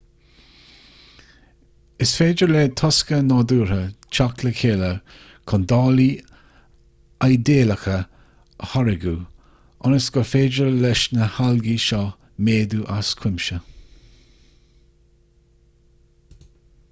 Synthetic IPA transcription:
ɪsfeːd͡ʒəɹlɛt̪ʰɔskənɔːd̪uːɹət͡ʃakləkʰeːlə | kʰɔnd̪ɑːli | ajd̪eːləxə | əhɔɹɪɡu | ɔnəsɡ̥ɔfeːd͡ʒəlɛʃnəhalɡiʃɔ | meːd̪uʔaskʰwɪmʃə

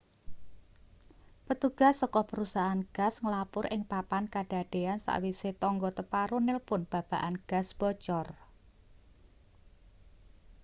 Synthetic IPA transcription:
pət̪uɡ̥a̤sːɔkɔpəɾusaɦaːnɡ̥a̤sŋəlapʊɾʔɪŋpapankaɖ̥a̤ɖ̥e̤ansa̰ʔwiset̪ɔŋɡɔt̪əpaɾunɪlpʊnb̥a̤b̥a̤ʔanɡ̥a̤sb̥ɔt͡ʃɔr

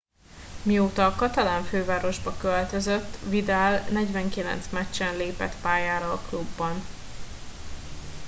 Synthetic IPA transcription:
mioːt̪ɒːkɒt̪ɒlaːɱføːvaːɾo̞ʒbɒkølt̪øzøt̪ːvid̪aːlnɛɟvɛŋkilɛ̰nt̪smɛt͡ʃːɛnleːpɛ̰t̪paːjaːɾɒːklubːɒn

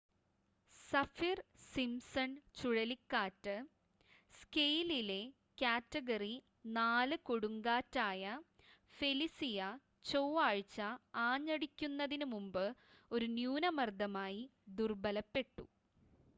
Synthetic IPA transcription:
sɐfirsimsɐnt͡ɕuɻɐlikːaːtːɨ | skejlile̞ | kʲaːtːɐɡɐri | naːlɨkoɽuŋɡaːtːaːjɐ | fe̞lisijɐ | t͡ɕoːaːɻt͡ɕːɐaːɲːɐɽikʲːunːɐðinumumbɨ | o̞ɾunjuːnɐmɐrd̪ɐmaːjid̪urbɐlɐpːe̞ʈːu

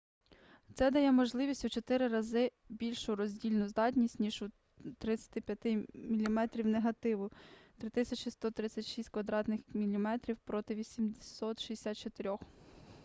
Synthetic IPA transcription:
t̪sɛd̪ɐjɛmɔʒlˠɪʋʲisʲtʲut͡ʃɔt̪ɪɾɪɾɐzɪ | bʲilʲʃʊɾɔzʲdʲilʲnʊzd̪ɑtʲnʲisʲtʲnʲiʒu | t̪ɾɪt͡sʲɐ̥t̪ɪpʲjɐt̪ɪmʲilʲimɛt̪ɾʲiwneɦɐt̪ɪʋʊt̪ɾɪt̪ɪsʲɐt͡ʃɪst̪ɔt̪ɾɪt͡sʲːɐtʲʃisʲtʲkʋɐd̪ɾɑt̪nɪxmʲilʲimɛt̪ɾʲiwpɾɔt̪ɪʋʲisʲimd̪sɔt̪ʃiesʲɑt̪̚t͡ʃɔt̪eɾʲɔx

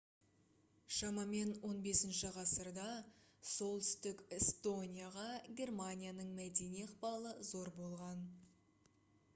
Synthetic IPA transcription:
ʃɑmɑme̞nwo̞nbe̞sɪnʃɪʁɑsəɾd̪ɑso̞lˠt̪ʏ̥st̪ɪkest̪o̞nʲijaʁɑɡʲe̞rmanʲijanəɴmæd̪e̞nijəqpɑlˠəzo̞ɾbo̞lˠʁɑn

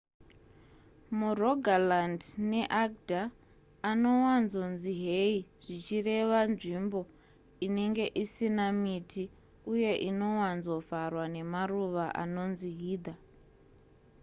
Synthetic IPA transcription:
muroɡʱalandne̞ʔaɡdʱaː | no̞wanzo̞nziɦeiʐ̥it͡ʃire̞ʋanʐimbo̞ | ine̞ŋɡe̞ʔisinamiti | uje̞ʔino̞wanzo̞varwane̞maruʋaʔa̰no̞nziɦiːd̪ʱa

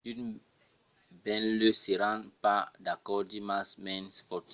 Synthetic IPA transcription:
dud | bɛ̃nløseɾãnpadakɔdimasmɛ̃nspɔt

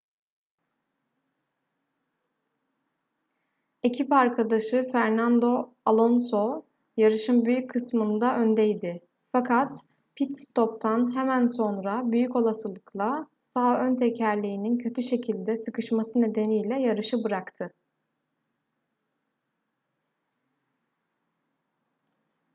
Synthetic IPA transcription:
e̞cʰipaɾkʰad̪aʃɯfæɾnand̪o̞ | alˠo̞nso̞ | jaɾɯʃɯmbyjyckʰːɯsmɯnd̪aʔø̞nd̪ɛjd̪ɪ | fakʰat̪ | pʰit̪st̪ʰo̞p̚t̪ʰanɦɛmænso̞nɾabyjyco̞lˠasɯlˠɯkʰlˠa | saːønt̪ʰecʰæɾlʲiːnincʰø̞t̪ʰyʃe̞cʰilʲd̪ɛsɯkɯʃmasɯne̞d̪e̞nijlʲɛjaɾɯʃɯbɯɾakt̪ʰɯ

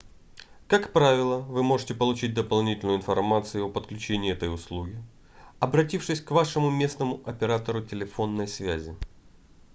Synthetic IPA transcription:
kakpɾavʲɪlˠəvɨmo̞ʐɨtʲɪpəlˠʊt͡ɕit̚ʲd̪əpɐlˠnʲitʲɪlʲnʊɪnfɐrmat̪sɨjʊopət̪klʲʉt͡ɕenʲɪːɛt̪əjʊslˠuɡʲɪ | ɐbɾɐtʲifʂɨsʲkvaʂɨmʊmʲe̞snəmʊɐpʲɪɾat̪əɾʊtʲɪlʲɪfo̞nːəjsvʲæ̰zʲɪ

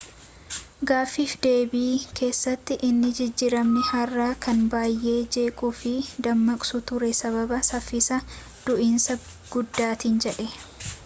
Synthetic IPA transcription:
ɡaːfːiːfd̪e̞ːbiːkʰe̞ːsːɐt̪ːɪʔɪnːɪd͡ʒɪd͡ʒːɪɾɐmnɪhɐrːaːkɐnbaːjːʔe̞ːd͡ʒe̞ːkʼuːfɪd̪ɐmːɐkʼsʊt̪ʊɾɛsɐβɐbɐsɐfːɪsɐ | d̪̥ʊʔinsɐ | ɡ̥ʊd̪ːaːt̪iːnd͡ʒɛᶑɛ

